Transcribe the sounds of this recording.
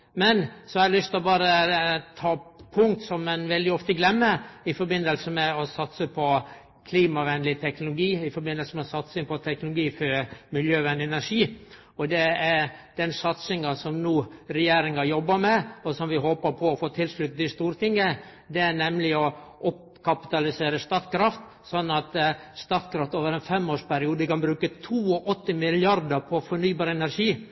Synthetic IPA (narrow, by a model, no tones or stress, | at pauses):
mɛnsɔɛlʏst̪lɔbɑːɾət̪ʰɑːpʰʊŋk̚t̪sɔmɛnʋɛld̪ɪɔft̪əɡlɛmːəɪfɔɾbɪnːəlsəmɛɔsɑt̪səpʰɔ | kʰliːmɑʋɛnlɪt̪ʰɛknʊlʊɡiːɪfɔɾbɪnəlsəmɛɔsɑt̪sɪŋpʰɔt̪ʰɛknʊlʊɡiːfɔɾmɪljøːʋɛnd̪ɪɛnæʂiː | ɔd̪ɛæɾd̪̥ɛnsɑt̪sɪŋɑsɔmnuːɾɛjeːɾɪŋɑjɔbːəɾmɛɔsɔmʋɪɦoːpəɾpʰɔːfoːt̪ʰɪlsɭʉt̪̚d̪ɪst̪uːɾt̪ɪŋːə | d̪ɛæɳɛmlɪɔʔɔp | kʰɑpɪ̥t̪ɑlɪseːɾəst̪ɑt̪kɾɑft̪ | sɔnːɑt̪st̪ɑt̪kɾɑft̪oːʋəɾɛnfɛmːoːʂpæɾɪuːd̪əkɑnbɾʉːkət̪ʰuːɔʔɔt̪ːəmɪlɪɑɾd̪əpʰɔfɔɳyːbɑːɾəɛnæɾʂiː